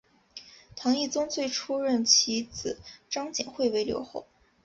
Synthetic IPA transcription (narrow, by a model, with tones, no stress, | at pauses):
t̪ʰɑ˧˥ŋi˥˩t͡sʊ˥ŋt͡swe˥˩˧ɪʈ͡ʂʰu˥ɻə˥˩nt͡ɕʰi˧˥t͡sɹ̩˨˩˦ʈ͡ʂɑ˥ŋt͡ɕḭ˨˩nxwe˥˩ɪwe˧˥ɪljo̰˧˥ʊxo˥˩ʊ